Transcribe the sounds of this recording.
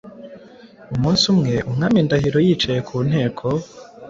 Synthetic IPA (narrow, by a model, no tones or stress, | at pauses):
umuːnsumŋe̞ʔumŋaːmindahiɾo̞jiːt͡ʃajekʰuːn̥e̞ːkʰo̞